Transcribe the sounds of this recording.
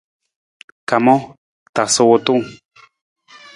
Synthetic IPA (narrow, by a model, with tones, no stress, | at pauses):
ka˨mõ˦ | t̪a˨so˧wo˧t̪u˦ŋ